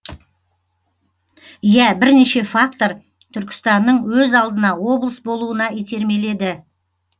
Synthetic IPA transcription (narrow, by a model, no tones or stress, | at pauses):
jæbɪɾne̞ʃe̞fakt̪o̞ɾ | t̪ʰʏɾkʲɪ̥st̪ɑnːəɴwɵzɑlˠd̪ənɑwo̞blˠəsbo̞lˠuənɑijt̪ʰe̞ɾme̞le̞d̪ɪ